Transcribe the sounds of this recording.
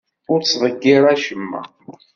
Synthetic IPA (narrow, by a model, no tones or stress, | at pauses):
ʊɾt͡sːvˤəɡːɪɾˤæʃəmːæ̰